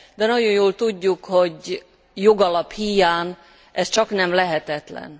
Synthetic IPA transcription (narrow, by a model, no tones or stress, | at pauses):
d̪ɛnɒɟo̞jjoːlt̪uɟːukho̞ɟ | joɡɒlɒphijaːn | ʔɛst͡ʃɒknɛmlɛɦɛt̪ɛt̪lɛ̰n